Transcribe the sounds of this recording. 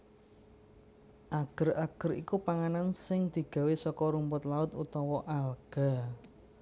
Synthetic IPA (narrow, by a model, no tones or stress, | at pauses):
ʔaɡ̥əɾaɡ̥əɾḭkupaŋanansɪŋd̪̥i̤ɡ̥a̤wesɔkɔɾumpʊt̪laʊt̪ut̪ɔwɔʔalɡ̥a̤